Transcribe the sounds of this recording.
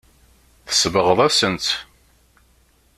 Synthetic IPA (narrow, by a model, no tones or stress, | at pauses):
θə̥svəʁəðˤæsənt̪